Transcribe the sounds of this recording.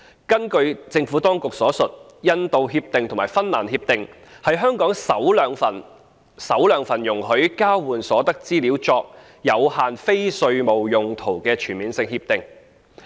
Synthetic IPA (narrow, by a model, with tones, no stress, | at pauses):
kɐ˥nkɵ˧ɥt͡sɪ˧ŋfuː˨˥t̪ɔː˥ŋkʊ˨k̚sɔː˨˥sɵ˨t̚ | jɐ˥nt̪o˧wɦiː˧p̚t̪ɪ˨˩ŋt̪ʰʊ˨˩ŋmaː˨˩jfɐ˥nnaː˨˩nhiː˧p̚t̪ɪ˨ŋ | hɐ˨jɦœː˥ŋkɔː˨˥ŋsɐ˨˥wlːŋfɐ˨˩n | sɐ˨˥wlœː˨˧ŋfɐ˨˩njʊ˨˩ŋɦɵ˨˥ɥkaː˥wwuː˨˩nsɔː˨˥t̪ɐ˥k̚t͡siː˥liː˨˥wt͡sɔː˧k̚ | jɐ˨˧whaː˨˩nfe˥jsɵ˧ɥmo˨˩wjʊ˨ŋt̪ʰo˨˩wkɛː˧t͡ʃʰyː˨˩nmiː˨˧nsɪ˧ŋhiː˧p̚t̪ɪ˨ŋ